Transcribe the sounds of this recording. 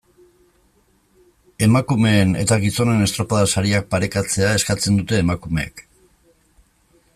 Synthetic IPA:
e̞makume̞ːne̞̰t̪aɣiso̞ne̞ne̞st̪ɾo̞paðasaɾiak̚paɾe̞kat͡se̞ae̞skat͡se̞nd̪ut̪e̞ːmakume̞ḛk

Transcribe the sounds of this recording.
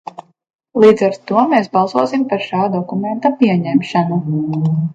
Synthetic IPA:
lˠiːd̪zaɾtt̪ːuɔmeːsbɑlˠsuɔsimpaɾʃaːd̪ɔkument̪apʲiɛɲɛmʃanu

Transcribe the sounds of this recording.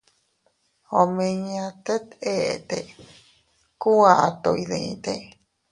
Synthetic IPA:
hõmẽɲãt̪et̪eʔet̪e | kuaʔat̪oiðẽḭ̃t̪e

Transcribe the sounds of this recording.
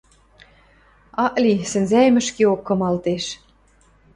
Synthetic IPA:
ɑʔlisɘ̆nzæjmɘ̆ʃkeokːɤ̆mɑlt̪eʃ

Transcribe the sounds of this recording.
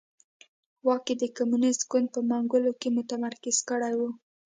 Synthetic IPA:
wɑked̪əkomunɪst̪ɡʊnd̪̚pəmaŋɡʊlokemʊt̪amaɾkɪz̥kəɽajwu

